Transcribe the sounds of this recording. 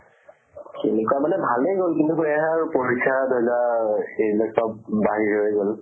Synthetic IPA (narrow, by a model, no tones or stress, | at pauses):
kenɛkwamalɛbʱalejɡolkintuɦojaɦɛaɹpoɹikʰːadɦɛzaelɔk̚sɔp̚baɦiɹɦojɡol